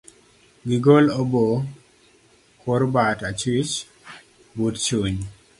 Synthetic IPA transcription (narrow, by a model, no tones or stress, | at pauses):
ɡiɡolobo | kʰoɾbatat͡ʃit͡ʃ | budt͡ʃuɲ